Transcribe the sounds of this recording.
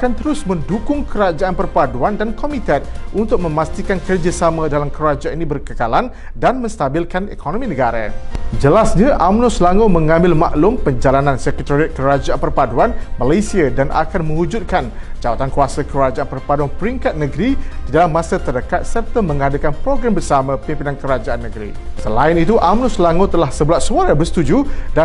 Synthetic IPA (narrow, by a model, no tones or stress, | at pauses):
akant̪əɾʊsmə̃ndukʊŋkʰəɾad͡ʒaʔanpərpaduandankomit̪ət̪̚ʔunt̪ʊk̚mə̃mast̪ikankərd͡ʒasamãdalamkəɾad͡ʒainĩbərkəkalan | danmə̃st̪abilkanḛkonomĩnəɡaɾa̰d͡ʒəlasɲãʔamnɔsəlaŋumə̃ŋãmbɪlma̰ʔlʊmpəɲd͡ʒalanansɛkɛt̪aɾiat̪̚kəɾad͡ʒaʔanpərpaduanmalajsiadana̰kanmə̃ud͡ʒʊt̪̚kan | d͡ʒawat̪ankuasakəɾad͡ʒaʔanpərpaduanpəɾiŋkat̪̚nə̃ɡɾid̥idalamːãsat̪ərdəkat̪̚sɛp̚t̪əmːə̃ŋadakanpɾoɡɾambərsamãpimpinankəɾad͡ʒaanːəɡɾḭ | səlaɪnit̪uʔamnʊslaŋot̪əlahsəbəlaʔ̪suaɾabəsət̪ud͡ʒuda